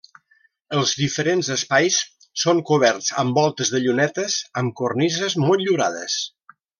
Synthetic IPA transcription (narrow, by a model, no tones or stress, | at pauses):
əlˠzðifəɾenzəspajs | soŋkuβ̞ɛɾt͡sə̰mbɔlˠt̪əzðəʎunɛt̪əsəmkurnizəzmoʎuɾa̰ðə̰s